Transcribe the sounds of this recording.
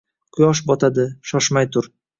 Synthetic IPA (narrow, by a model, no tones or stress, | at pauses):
qʰʊjɒʃbɒt̪ʰad̪ɪʃɒʃmajt̪ʰʊɾ